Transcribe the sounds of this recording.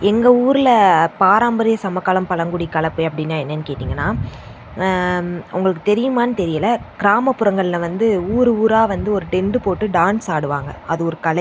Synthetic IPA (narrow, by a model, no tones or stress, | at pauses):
ɛŋɡɐuːɾɪlɐpaːɾaːmbɐɾɪjɐsɐmɐkːaːlɐmpɐlɐŋɡʊɽikːɐlɐpːɯɐpːɐɽɪnːaːɛnːɐnːɯkeːʈːiːŋɡɐnːaː | ʊ̰ŋɡɐɭɯkːɯt̪ɛɾɪjɯmaːnɯt̪ɛɾɪjɐlɐkɪɾaːmɐpːɯɾɐŋɡɐɭɪlɐʋɐnd̪ɯuːɾɯuːɾaːʋɐnd̪ɯɔɾɯʈɛɳɖɯpoːʈːɯɖaːnsaːɽɯʋaːŋɡɐ̰ɐðɯɔɾɯkɐlɐ